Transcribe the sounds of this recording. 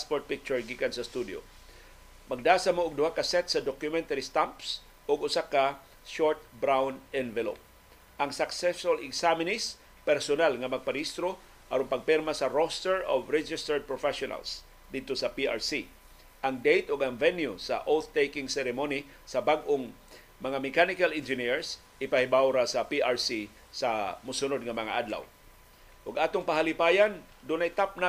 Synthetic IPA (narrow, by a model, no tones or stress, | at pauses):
spoɹt̪̚pɪk̚t͡ʃʊɹɡikansɐst̪ud̪jo̰ | mɐɡ̚d̪aːsamoʊɡ̚d̪ʊhakɐsɛt̪̚sɐd̪okjʊmɛ̃nt̪aɾist̪amps | ʔʊɡʊsaka | ʃoɹt̪̚bɾawnɛnvɛlo̰p̚ | ʔɐŋsaksɛsolɪɡsamɪnɪs | pɛɾsonalŋɐmɐɡ̚paɾist̪ɾo | ʔɐ̰ɾoŋpɐɡ̚pɛɾmasɐɾost̪ɛɹovɹɛd͡ʒɪst̪ɛɹd̪̚pɹofɛʃʊna̰ls | d̪ɪd̪̚t̪osɐpiʔa̰ɹsi | ʔɐŋd̪ejt̪oɡaŋvɛnjusɐ̰ʔolt̪t̪ːejkɪŋsɛɾɛmoni | sɐbaɡʔoŋ | mɐŋamɛkanɪkalɪnd͡ʒɪniɹs | ʔɪpahɪbawɾasɐpiʔaɹsi | samʊsʊnod̪̚ŋɐmɐŋa̰ʔad̪la̰w | ʔʊɡʔaːt̪ʊŋpaɦalɪpaːjan | d̪ʊnajt̪ap̚na